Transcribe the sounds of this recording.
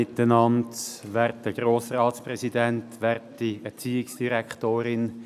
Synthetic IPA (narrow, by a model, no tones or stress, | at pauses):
ɪt̪ːənɑndʋɛɾtdəɡ̥ɾoːsəɾɑːtspɾɛsidɛntʋɛɾtdiɛt͡siːɪksd̥iɾɛkχtoːɾɪn